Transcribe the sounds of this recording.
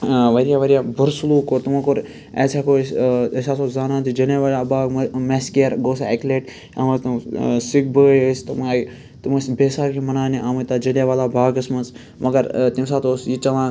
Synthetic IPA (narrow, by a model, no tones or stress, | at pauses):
ʋɐɾijaːʋɐɾijaːbuɾsuluːkot̪umãkoɾ | ḛːsaːkoːesaːsozaːnaːt̪id͡ʒɐleʋaːlabʱaːɡmmeskeɐɾɡoːs̬aːekleːʈ | ɐmɐt̪ɐsik̚bəːjst̪ɐmaːi | t̪umɐsbeːsaːkimɐnaːniʔaːmɐt̪aːd͡ʒɐleʋaːlaːbʱaːɡɐsmɐns | mɐɡɐɾt̪imsaːt̪oːsjit͡ʃɐʋãː